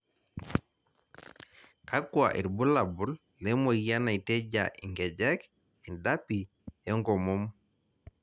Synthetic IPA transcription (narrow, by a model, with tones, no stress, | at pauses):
ka˦kwa̰˨ʔḭ˨ɾbu˦la˨bu˨˦lːɛ˦mo˨jja˦na˨i˨te˦ɟa̰˨ʔḭ˨ŋɡɛ˨d͡ʒɛ˦k | i˨nda˦pi˨ | ɛ˦ŋɡɔ˨mo˦m